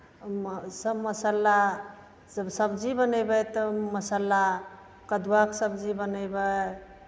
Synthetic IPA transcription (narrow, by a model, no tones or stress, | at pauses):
msɐmɐsalːa | zbsabd͡ʒibanajbajt̪ɔmɐsalːa | kɐd̪uwaksab̚d͡ʒibanajba